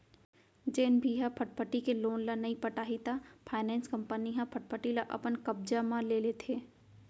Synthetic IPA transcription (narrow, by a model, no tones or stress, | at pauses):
d͡ʒeːnbʱiɦãpʰəʈ̚pʰəʈikeloːnlanɐɦĩpɐʈaːɦit̪apʰaːɪnɛ̃ːnskɐ̃mpəniɦãpʰəʈ̚pʰəʈilaʔɐ̰pənkɐb̚d͡ʒamãleːlet̪ʰeː